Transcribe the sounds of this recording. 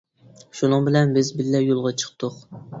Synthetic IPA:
ʃunɨŋbɪlɛnbɪzbɪlːɛjolˠʁɑt͡ʃʰə̥q̚t̪ʰʊq

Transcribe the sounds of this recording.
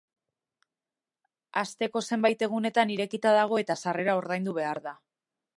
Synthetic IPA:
ast̪e̞ko̞se̞mbajt̪e̞ɣ̞une̞t̪aniɾe̞kit̪aðaɣ̞o̞e̞t̪asare̞ɾao̞ɾðajnd̪uβ̞e̞aɾða

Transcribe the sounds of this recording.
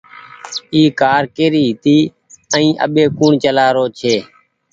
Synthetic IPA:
iːkaːɾkeːɾiːɦɪt̪iː | əĩːʔə̰ɓeːkuːɳt͡ʃəlaːɾoːt͡ʃʰeː

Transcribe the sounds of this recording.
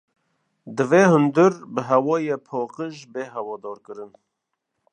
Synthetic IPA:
d̪ɨveːhɨnd̪ɨɾbəɦɛwɔːjeːpʰoːqəʒbeːɦɛwɔːd̪ɔːɾkɨɾɨn

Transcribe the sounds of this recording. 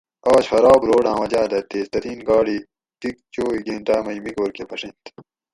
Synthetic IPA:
ɑːɕxɐɾɑːbɾoːɽãːwɐd͡ʑaːd̪ɐt̪ːeːst̪ɐɾiːnɡɑːɽiː | t̪ik̚t͡ɕoːiɡẽːnʈaːmɐjmikoːɾkepɐʂent̪

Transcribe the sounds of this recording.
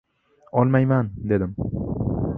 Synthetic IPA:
ɒlˠmajmand̪e̞d̪ɪm

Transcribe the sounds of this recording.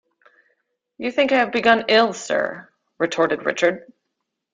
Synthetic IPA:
jɨθɪ̃ŋkaɪɨvbɨɡʌ̃nɪlˠsɜ̰˞ | ɹɨtʰɔɹɾɨd̚ɹɪ̰t͡ʃə˞d̥̚

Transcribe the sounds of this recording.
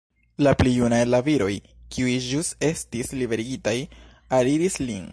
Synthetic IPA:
laplijunajlaviɾo̞jkiujʒuse̞stislibe̞ɾiɡitaj | aɾiɾislin

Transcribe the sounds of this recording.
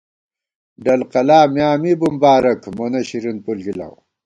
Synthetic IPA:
ɖɐlqɐlaːmjaːmibumbaːɾɐkmonɐɕiɾunpulɡila̰w

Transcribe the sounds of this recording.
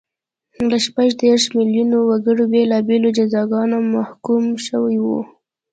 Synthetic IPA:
ləʃpaʒd̪eɾʃmɪljunowaɡəɽobelɑbelod͡ʒazɑɡɑnomahkumʃəwajwṵ

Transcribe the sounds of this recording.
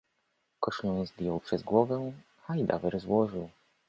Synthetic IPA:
kɔʂlɔ̃nzb̪ʲjɔwpʂɛzɡwɔvɛ | ajd̪a̰vɛɾzwɔʐɘw

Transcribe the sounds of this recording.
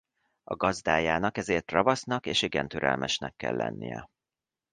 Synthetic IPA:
ɒɡɒzd̪aːjaːnɒkɛzeːrt̪rɒvɒsnɒkeːʃiɡɛnt̪øɾɛlmʔɛʃnɛkːɛ̰lːɛ̰nːijɛ

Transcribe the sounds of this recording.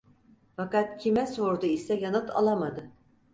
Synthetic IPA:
fakat̪̚cʰimɛso̞ɾd̪uisɛjanɯt̪ʰa̰lˠamad̪ɯ

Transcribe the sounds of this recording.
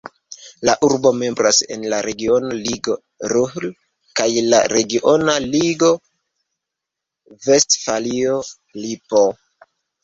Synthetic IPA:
laʔuɾbo̞me̞mbɾase̞̰nlaɾe̞ɡio̞noliɡo̞ | ɾuhl | kajla̰ɾe̞ɡiʔo̞naliɡo̞ | ve̞stfalio | lipo̞

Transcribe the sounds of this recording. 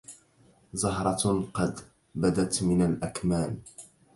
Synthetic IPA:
zʊɦɾˤɑqɑd̪ | bad̪at̪mɪnalʔakmaːn

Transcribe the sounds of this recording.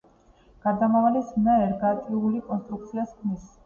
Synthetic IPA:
ɡ̥aɾd̪amavalismɛɛɾɡat̪ʼiulikʼɔnst̪ʼɾuk̚t̪sʰiaskʰnis

